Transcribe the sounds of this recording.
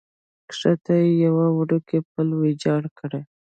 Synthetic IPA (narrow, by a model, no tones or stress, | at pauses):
kʂat̪ajejawawɽukep̚əlwed͡ʒɑɽkʰəɽe